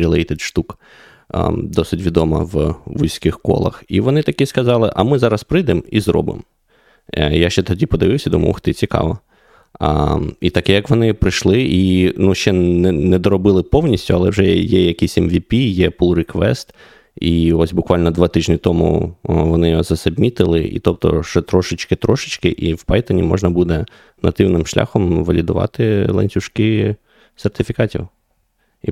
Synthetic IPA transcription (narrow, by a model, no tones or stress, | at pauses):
ɾʲilˠɛjt̪ɛd̪ʃt̪uk | d̪ɔsɪtʲʋʲid̪ɔmɐ̰ʋʋujsʲkɪxkɔ̰lˠɐ̰xiʋɔnɪt̪ɐkiskɐzɑlˠɪʔɐmɪzɑɾɐspɾɪd̪ɪmizɾɔ̰bɪ̰m | jaʃt͡ʃɛt̪ɔdʲipɔd̪ɪʋɪwsʲɐd̪umɐ̰lˠxt̪ɪt͡sʲikɑ̰ʋɔ̰ | it̪ɐkɛjɐkʋɔnɪpɾɪʃlˠɪʔinuʃt͡ʃɛnɛnɛd̪ɔɾɔbɪlˠɪpɔwnʲisʲtʲʊɐlˠɛwʒɛjɛjɐkʲisʲɛmʋʲipʲijɛpulˠɾɪkʋɛ̰st̪ | iɔsʲbʊkʋɑlʲnɔd̪ʋɑt̪ɪʒnʲit̪ɔmʊ̰ʋɔnɪjzɐsɐbmʲit̪ɪlˠɪ̰ʔḭt̪ɔp̚t̪ɔ̰ʃɛt̪ɾɔʃɪt͡ʃkɪt̪ɾɔʃɪt͡ʃkɪʔiwpɑjt̪ɔnʲḭmɔ̰ʒnɐbud̪ɛ | nɐ̰t̪ɪwnɪmʃlʲa̰xɔmʋɐlʲid̪ʊʋɑ̰t̪ɪlˠɐ̰nʲtʲʊʃkɪ | sert̪ɪfʲikɑtʲḭw | i